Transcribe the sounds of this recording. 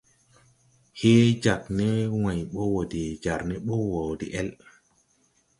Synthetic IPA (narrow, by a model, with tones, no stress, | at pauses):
heː˦d͡ʒa˨knɛ˦wã˨jɓɔ˦wo˨di˨d͡ʒa˨ɾnɛ˦ɓɔ˦wo˨dḭ˨ʔɛ˦l